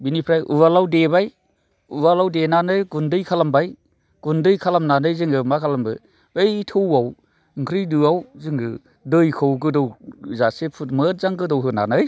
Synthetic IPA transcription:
binipʰɾajʔṵwalawdebaj | uwalawdenanɯjɡundɯjkʰalambaj | ɡ̥undɯjkʰalamnanɯjzɯŋɯmakʰalambɯ̰ | bejtʰɯwaw | ŋkʰɾijdɯawzɯŋɡɯ | dɯjkʰɯwɡɯdɔwzasepʰut̚mət̚zaŋɡɯdɔwɦɯna̰nɯj

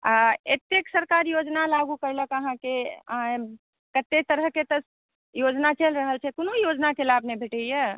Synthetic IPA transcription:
aḛt̪ːeksəɾkaɾjod͡ʒnalaɡukəjləkəɦãke | kət̪ːet̪əɾəɦket̪əs | jod͡ʒnat͡ʃelɾəɦəlt͡ʃʰɛkonojod͡ʒnakelaəpnebʱeʈəjə

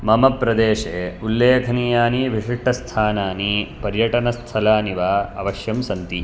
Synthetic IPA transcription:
mɐmɐpːɾɐd̪eːʂeːulːeːkʰɐniːjaːniʋiʂiʂʈʰːɐst̪ʰaːnaːnipɐɾjɐʈɐnɐst̪ʰɐlaːniʋaːɐʋɐʃjɐmsɐnt̪i

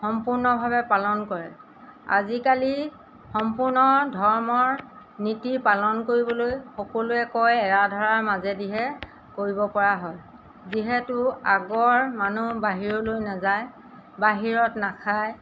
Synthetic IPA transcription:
xɔmpʊɹnɔbʱabɛpalɔnkɔɹɛ | a̰zikali | xɔmpʊɹnɔdʱɔɹmɔɹnitipalɔnkoɹibɔlojxɔkɔlʊɛkɔjɛɹadʱɔɹaɹmazɛdiɦɛ | koɹibɔpɔɹaɦɔj | ziɦɛtʊaɡɔɹmanubaɦiɹolojnazaj | baɦiɹɔtnakʰaj

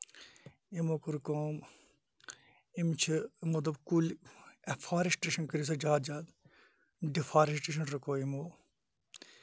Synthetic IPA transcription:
imoːkuɾkõːm | imt͡ʃʰimɐd̪ɐbkulefʰaːɾisʈeːʃɐnkəɾis̬ɐd͡ʒaːd̪̚d͡ʒaːd̪ | ɖifʰaːɾisʈeːʃ̬ɐnɾɐkoːimoː

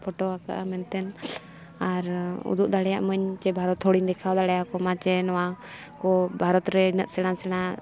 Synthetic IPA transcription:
pʰɔʈɔaka̰ʔamɛnt̪ɛn | aɾṵd̪uʔ̚d̪aɽɛjaʔməɲt͡ʃɛbʱaɾɔt̪hɔɽiɲd̪ɛkʰawd̪aɽɛjakɔmat͡ʃɛnɔwakɔbʱaɾɔt̪ɾɛinəʔ̪sɛɽ̃ansɛɽ̃a

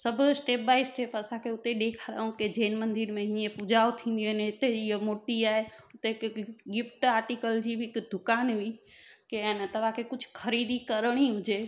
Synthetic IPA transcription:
səbʱsʈep̚baisʈepəsãkeʊt̪eɗ̪ekʰaɾaũked͡ʒenmə̃nd̪iɾmẽɦijepud͡ʒaot̪ʰĩnd̪ienet̪ejəmoʈiaeʊt̪ekɡip̚ʰʈaːɾʈikəld͡ʒibʱikd̪ʱukaːnbʱi | kent̪əʋakekʊt͡ʃʰkʰəɾid̪ikəɾɽ̃iɦũd͡ʒe

